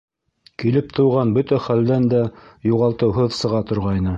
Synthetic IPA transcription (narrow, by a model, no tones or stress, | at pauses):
kilɘp̚t̪ɤ̆wʁɑnbɵt̪æχæld̪ænd̪æjuʁɑlˠt̪ɤwɦɤðsɤ̆ʁɑt̪ŏɾʁɑjnɤ